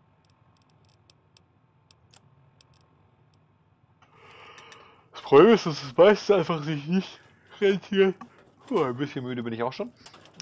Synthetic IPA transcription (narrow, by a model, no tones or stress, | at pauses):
d̥aspʁ̥obleːmɪstd̥asd̥ɛsmaɪstn̩saɪnfaχzɪçnɪçt | ʁentʰiːɐt | uanbɪsçənmyːdəbɪnɪçaʊxʃoːn